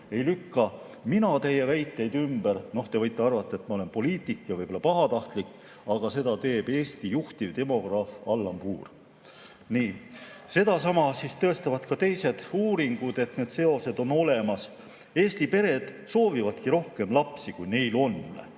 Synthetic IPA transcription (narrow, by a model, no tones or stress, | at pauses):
e̞jlykːɑ | minɑt̪e̞jevæjt̪ːˑe̞jd̪ymbeɾno̞ht̪e̞vɤjt̪ːˑeɑrvɑt̪ˑːɑet̪ːmɑole̞npo̞liːt̪ːˑikːˑjɑvɯjbo̞lɑpɑɦɑt̪ɑht̪likːˑ | ɑɡ̥ɑse̞d̪ɑt̪e̞ːb̥e̞ːst̪ijuht̪ivd̪e̞mo̞ɡ̥rɑfɑlːɑmpuːr | niːse̞d̪̥ɑsɑmɑsist̪ɤ̞e̞st̪ɑvɑt̪kɑt̪e̞jse̞d̪̥uːɾiŋɡ̥ud̪e̞t̪ne̞ːd̪̥se̞o̞se̞d̪o̞no̞le̞mɑs | e̞ːst̪ipe̞ɾe̞d̪̥ | so̞ːvivɑd̪̥kiɾo̞hke̞mlɑpsikujne̞jlo̞nː